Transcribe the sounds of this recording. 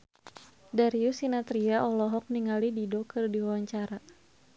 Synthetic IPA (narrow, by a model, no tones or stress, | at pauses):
daɾiusinat̪ɾiaʔɔlɔɦɔk̚niŋalididɔkərdiwawaɲt͡ʃaɾa